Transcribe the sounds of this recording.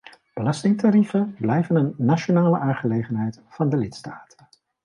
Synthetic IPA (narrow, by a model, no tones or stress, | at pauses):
b̥əlɑstɪŋtaɾifənblɛjvənənːaʃonaːləʔaːŋχəlejχənɦɛjtfɑndəlɪtstaːtə̥